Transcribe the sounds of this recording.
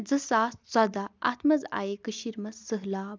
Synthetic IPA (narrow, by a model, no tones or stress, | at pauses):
d͡zɨsaːst͡sɔd̪aa̰t̪ʰmɐza̰jekɨɕiɾmɐzːəɦlaː